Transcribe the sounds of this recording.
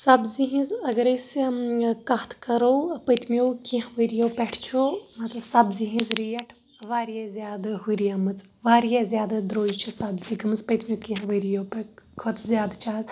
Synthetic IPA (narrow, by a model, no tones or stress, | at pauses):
sɐbziɦĩzɐɡɐɾɐjs | kɐt̪ʰkɐɾowpɐjt̪ʰmijowkĩɦʋəɾijowpɛʈʰt͡ʃʰumɐt̪lɐbsɐbziɦĩzɾijɐʈʰ | ʋaːɾjazʲjaːd̪ɨɦuɾijamɨt͡sʋaːɾijazjaːd̪ad̪ɾoːd͡ʒt͡ʃʰisɐbziɡɐmɨzpɐjt̪ʰmʲjokĩɦʋəjɾijowpɛkʰot̪ʰzjaːd̪t͡ʃʰaːl